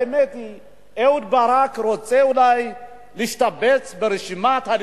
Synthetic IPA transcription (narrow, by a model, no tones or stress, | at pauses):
emet̪i | eud̪̚baɾakɾot͡seulaj | liʃt̪abet͡sbeɾeʃimat̪hal